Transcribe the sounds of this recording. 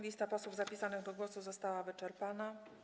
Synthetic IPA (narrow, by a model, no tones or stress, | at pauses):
lʲist̪apɔswuvzapʲisanɘɣd̪ɔɡwɔsuzɔst̪awavɘt͡ʂɛɾpana